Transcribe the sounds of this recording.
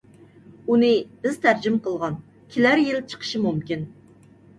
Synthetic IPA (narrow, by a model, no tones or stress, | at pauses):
unɨb̥ɪz̥t̪ʰæɾd͡ʒɪmqəlˠʁɑn | kʲʰilæɾjɪlt͡ʃʰə̥qʰə̥ʃɨmumkʲin